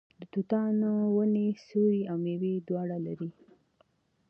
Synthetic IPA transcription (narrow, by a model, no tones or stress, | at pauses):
d̪ət̪ut̪ɑnowənesuɾiawmewed̪wɑɽalaɾi